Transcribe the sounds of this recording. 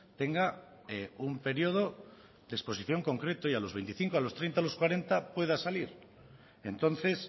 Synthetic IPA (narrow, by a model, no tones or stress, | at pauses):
t̪e̞ŋɡa | eumpe̞ɾjoð̞o̞ | d̪espo̞siθjo̞ŋko̞ŋkɾe̞t̪oialo̞zβe̞jnt̪iθiŋkoalost̪ɾe̞jnt̪alo̞skwaɾe̞nt̪apwe̞ðasaliɾ | e̞nt̪o̞n̟θe̞s